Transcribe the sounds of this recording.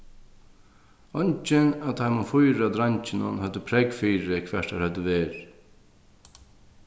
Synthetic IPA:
ɔɲt͡ʃɪnat̪ʰajmʊfʊjɾad̪ɾaɲt͡ʃɪnʊnhœd̪əpʰɾɛɡfiːɾɪkʰvɛʂt̪haɾhœd̪əʋeːɾ

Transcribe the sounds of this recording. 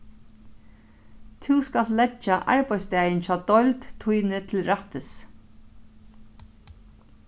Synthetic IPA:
t̪ʰuwskalt̪lɛt͡ʃːaʔa̰ɹpajst̪ɛːjɪnfaːd̪ɔjlt̪t̪ʰːujnɪt̪ʰɪlɾaht̪ɪs

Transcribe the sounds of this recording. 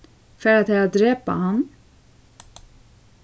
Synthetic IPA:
fœɾat̪hɛɾat̪̚d̪ɾɛpːa̰han

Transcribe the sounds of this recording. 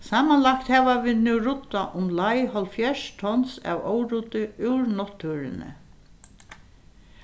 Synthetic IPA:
saːmanlakt̪hɛːʋaʋɪːðnuwɾʊt̪ːaʔʊmlajhɔlfjɛʂt̪ʰɔnsa̰wɔːwɾut̪ɪɪwɾnɔt̪ʰːuːɾɪ̰nɪ̰

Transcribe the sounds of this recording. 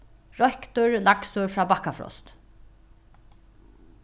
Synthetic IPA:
ɹɔhkt̪ʊɹlaksʊɹfɹaːbakafɾɔ̰st̪

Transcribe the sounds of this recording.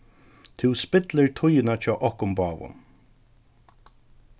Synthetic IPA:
t̪ʰɪwspɪt̪lɪɹt̪ʰʊjɪnat͡ʃʰɔːʔɔhkʊmbaːʋʊ̰n

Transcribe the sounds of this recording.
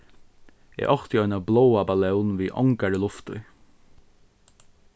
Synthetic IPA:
ɛ̰ʔɔxt̪ɪɔʏnablowabalɛwnʋiːʔɔ̰ŋkaɹəlʊft̪ʊ

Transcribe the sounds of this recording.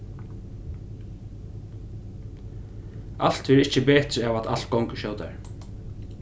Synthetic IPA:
a̰l̥t̪vɛɾɪhcəbɛːt̪ɾavat̪a̰l̥t̪̚kɔwŋkəʃowt̪a̰ɹ

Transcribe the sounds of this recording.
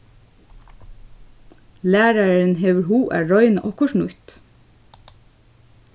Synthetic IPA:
læːɾɑɹɹənheːʋəɹhuːʔæ̰ːɹɔʏnʔɔkʊʃɳʊt̪

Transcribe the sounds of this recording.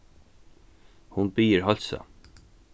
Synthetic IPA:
hʊnbiːəɹɦɔlsa̰

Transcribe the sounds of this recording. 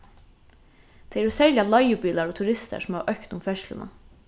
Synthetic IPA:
d̪̥eɪæɾoːsɛljɑlɑɪʊbiːlɑɾoːt̪ʰʉɾɪst̪ə̰sɔm̩hɑʔœkt̪ʊmfɛʃlə̰nʔə̰

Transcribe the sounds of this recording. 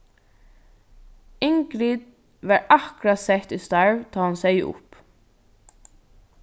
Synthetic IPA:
ɪŋkɾiːd̪ | ʋɑɹɑkɹɑsɛht̪ist̪ɑɹʋt̪ʰɑːhɑnsæɪʊ̰p

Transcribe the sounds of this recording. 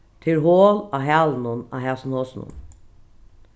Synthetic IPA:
t̪ʰɪlɦoːlaːɦæːlnʊnɑ̰ːɦɛsnhoːsnʊ̰n

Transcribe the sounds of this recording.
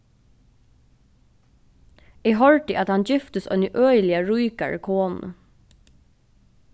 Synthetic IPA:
iːɦɔɹʈɪʔɑt̪hɑnd͡ʒɪft̪əsœ̰nəʔœʏlɪəɹuɪkɑ̰ɹkʰoːnnʔə̰

